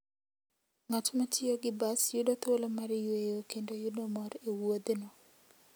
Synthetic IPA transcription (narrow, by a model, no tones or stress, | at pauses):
ŋat͡ʃmatɪoɡɪbasjudɔt̪wolɔmaɾɪjwejokendojudɔmɔɾewod̪nɔ